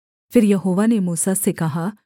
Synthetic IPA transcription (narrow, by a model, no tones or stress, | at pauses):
pʰɪɾjəɦoːʋaːnemuːsaːsekɐɦaː